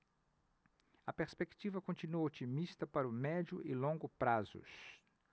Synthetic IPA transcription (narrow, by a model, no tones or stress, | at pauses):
ɐpeɾspekt͡ʃivɐkõnt͡ʃinuot͡ʃimist̪ɐpaɾʊmɛd͡ʒʊʔɪlõŋɡʊpɾazʊ̰s